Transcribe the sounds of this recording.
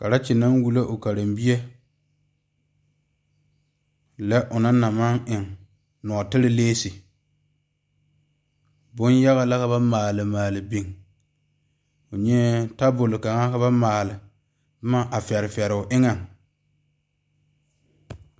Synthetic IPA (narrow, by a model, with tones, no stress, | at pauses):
ka˨ɾa˦t͡ʃɪ˨na˦ŋwu˨lo˦ʔʊ˨ka˨ɾɪ˨mbi˦e˦ | lɛ˦ʔʊ˨na˦na˨ma˦ŋʔɪ˨ŋ | nɔ˨tɪ˦ɾɪ˦leː˦sɪ˨ | bʊ˦nja˦ɣa˦la˦ka˦ba˦maː˨lɪ˨maː˨lɪ˨bi˨ŋ | ʊ˨ɲɛ˦ta˦bʊ˨lɪ˨ka˨ŋa˦ka˦ba˦maː˨lɪ˨˦ | ma˦ʔa˨fɛ˨ɾɪ˨fɛ˨ɾʊ˨ʔɪ˦ŋa˨ŋ